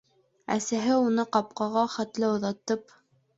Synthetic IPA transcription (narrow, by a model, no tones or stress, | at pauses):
æ̰sæɦɘunɤqɑp̚qɑʁɑχæt̪lɘŏðɑt̪ɤp